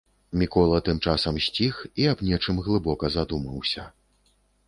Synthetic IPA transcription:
mʲikɔlˠɐt̪ɨmt͡ʂasɐmsʲt͡sʲixiabnʲɛt͡ʂɨmɣlˠɨbɔkɐzad̪umɐwsʲɐ

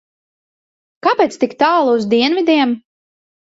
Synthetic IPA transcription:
kapeːt̪st̪ikt̪aːlˠuzd̪iɛnvʲid̪ʲiɛm

